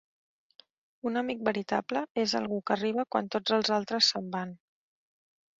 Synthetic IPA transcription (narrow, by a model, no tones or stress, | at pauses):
unəmik̚bəɾit̪abləezə̰lˠɣukəriβ̞əkwa̰nt̪od͡zəlˠzalˠt̪ɾəsːəmban